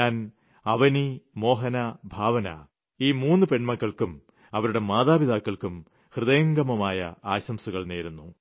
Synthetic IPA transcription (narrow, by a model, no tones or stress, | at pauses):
ɲaːn | ɐʋɐnimo̞ːɦɐnɐbʱaːʋɐnɐ̰ | iːmuːnːɨpe̞ɳmɐkːɐɭkum | ɐʋɐɾuɽe̞maːðaːbid̪aːkːɐɭkum | hrɨðɐjɐŋɡɐmɐmaːjɐ̰aːɕɐmsuɣɐɭneːɾunːu